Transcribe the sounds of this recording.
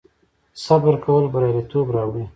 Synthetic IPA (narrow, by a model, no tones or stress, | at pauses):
sabəɾkawəlbəɾjaɾit̪obɾɑwɽi